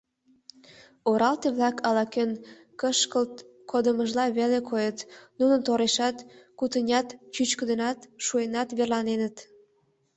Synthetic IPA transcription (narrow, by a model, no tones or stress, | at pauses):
oɾɑlt̪eβlɑkɑlɑken | kəʃkəlt̪ | kʰod̪əməʒlɑβelekʰojət̪nunənt̪oɾeʃɑt̪kut̪ənʲɑt̪t͡ɕyt͡ɕkəd̪ə̆nɑt̪ʃuenɑt̪βerlɑnenət̪